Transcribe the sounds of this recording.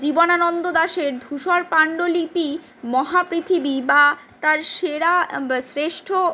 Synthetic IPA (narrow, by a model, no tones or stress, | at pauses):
d͡ʑibonanɔnd̪od̪aʃeɾd̪ʱuʃɔɾpaɳɖolipi | mɔɦapɾit̪ʰibiba | t̪aɾʃeɾasɾeʃʈʰo